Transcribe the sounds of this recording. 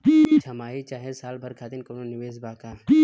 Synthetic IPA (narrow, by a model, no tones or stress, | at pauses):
d͡ʒiːt͡ʃʰɐmaːit͡ʃaːɦesaːlbʱɐɾkʰaːd̪ɪnkononɪʋeːzbaːkaːd͡ʒi